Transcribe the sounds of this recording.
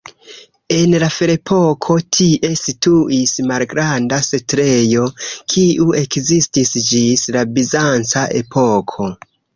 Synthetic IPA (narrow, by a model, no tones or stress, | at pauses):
e̞nlafeɾe̞pʰo̞kʰo̞tʰiʔe̞situismalɡɾandasetɾejo̞kʰiʔue̞kzistisd͡ʒislabizant͡saʔe̞̰pʰo̞kʰo̞